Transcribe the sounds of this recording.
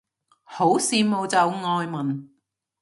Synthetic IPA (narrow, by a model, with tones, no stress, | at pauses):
ho˨˥wsiː˧mo˨wt͡sɐ˨˧wŋɔː˧jmɐ˨˩n